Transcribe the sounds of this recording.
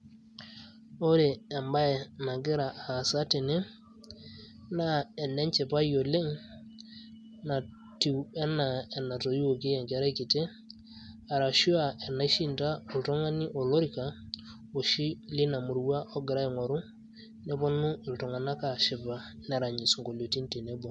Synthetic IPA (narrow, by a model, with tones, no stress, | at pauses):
o˦ɾe˨ɛ˨mba˦ɛ˨na˨ɡɪ˦ɾa˨a˨sa˦te˨ne˦ | na˦ɛ˨nɛ˦ɲt͡ʃe˨pa˦jo˨le˦ŋ | na˨ | ti˨wɛ˦na˨ɛ˨na˨to˨i˦o˨ke˦jɛ˨ŋɡɛ˨˦ɾa˦i˦ki˨te˦ | a˨ɾa˨ʃu˦a˨ɛ˨na˨˦i˦ʃi˦nda˦o˨ltɔ˦ŋa˦ni˦ʔɔ˨lo˦ɾi˨ka˨ | o˨ʃi˦li˦na˨mu˨ɾwa˦ʔɔ˦ɡɪ˨ɾa˦i˨ŋɔ˨ɾʊ˦ | nɛ˦bɔ˦nʊ˦i˨ltɔ˨ŋa˨na˦ka˨ʃɪ˨ba˨na˨ɾa˨ɲi˨sŋɡo˨lo˨ti˦nte˨ne˦bɔ˨